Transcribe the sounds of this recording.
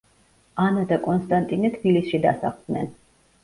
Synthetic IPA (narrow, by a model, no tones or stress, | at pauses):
anad̪akʼɔnst̪ʼant̪ʼinɛt̪ʰbilisʃid̪asa̰χd̪nɛn